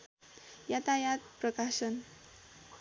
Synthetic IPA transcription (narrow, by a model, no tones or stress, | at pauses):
jat̪ajat̪̚prʌkasʌn